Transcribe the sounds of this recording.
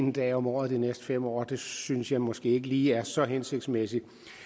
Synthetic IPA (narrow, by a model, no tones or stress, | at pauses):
end̥ɛ̰ːɒ̽mɒ̰ːð̩ˠd̥inesd̥əfemɒ̰ːd̥e̝synsjɑ̈ɪmɒ̽sɡ̥e̝̰ːe̝ɡ̥əliːæɐsɒ̽ɦense̝ɡ̥̚d̥smesi